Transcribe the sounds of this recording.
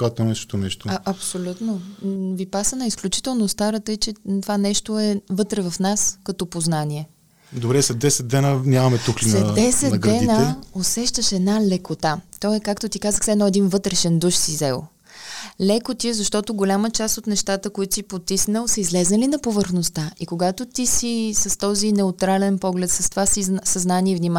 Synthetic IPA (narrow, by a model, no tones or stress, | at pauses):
kat̪onɛst̪onɛʃt̪oaʔɐpsolʲut̪novipasənəisklʲut͡ʃi̥t̪ɛlˠnost̪aɾət̪əit͡ʃɛt̪ovanɛʃt̪oɛvɤt̪ɾɛvɐfnaskɐt̪ɔpoznaniɛ | d̪obɾɛsɛd̪ɛsɛd̪̚d̪ɛnənʲjamɐmɛt̪uxlsinɛd̪ɛsɛt̪ɡɾɛnəosɛʃt̪əʃɛd̪nalɛkot̪at̪ɔɛkakt̪ot̪ikazəxsɛd̪nɔɛd̪invɤt̪ɾɛʃɛnd̪uʃsizɛlˠ | lɛkot̪iɛzɐʃt̪ɔt̪oɡolʲamət͡ʃast̪ot̪nɛʃt̪at̪əkoit̪o̥sipot̪isnəlˠsəizlɛznəlinɐpovəɾxnost̪aʔikoɡat̪ot̪isisɐst̪ɔzinɛʊt̪ɾalɛnpɔɡlɛt̪sɐst̪ovasisɐznaniɛvnima